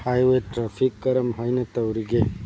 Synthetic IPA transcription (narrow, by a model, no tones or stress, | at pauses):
hajweʈɾafʰikːɐɾɐmɦɐjnɐt̪ɐwɾiɡe